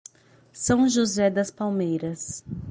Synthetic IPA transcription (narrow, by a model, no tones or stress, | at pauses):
sɐ̃w̃ʒuzɛd̪ɐspawmejɾɐs